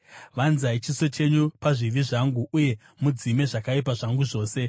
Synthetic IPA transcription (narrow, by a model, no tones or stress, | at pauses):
ʋanzait͡ʃiso̞t͡ʃe̞ɲupaʐiʋiʐaŋɡuuje̞ | mud͡zime̞ʐakaipaʐaŋɡuʐo̞ːse̞